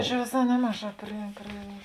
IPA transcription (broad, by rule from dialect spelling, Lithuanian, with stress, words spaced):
t͡ʃʲɛ ʋʲeːˈsɑː ˈnʲæːmɐˌʒɑː pʲrʲɪ pʲrʲɪ